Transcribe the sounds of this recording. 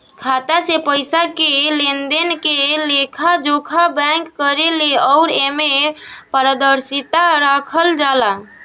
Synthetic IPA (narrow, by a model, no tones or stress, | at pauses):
kʰat̪asepəɪsakelend̪enkelekʰad͡ʒokʰabɛ̃ŋkːəɾeleɔʊɾemepəɾəd̪əɾsit̪aɾakʰəld͡ʒala